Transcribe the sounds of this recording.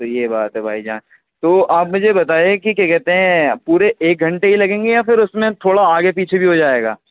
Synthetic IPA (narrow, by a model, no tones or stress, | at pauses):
t̪ojebaːt̪ɦɛbʱaːid͡ʒaːn | t̪oːʔaːp̚mʊd͡ʒʱebɐt̪aːjekik̬jakɛɦt̪eɦɛ̃puːɾeʔeːk̚ɡʱɐ̃ɳʈeɦilɐɡẽːŋɡejafɪɾʊsmẽt̪ʰoːɽaaːɡep̬iːt͡ʃʰebʱiɦod͡ʒaːeːɡa̰ː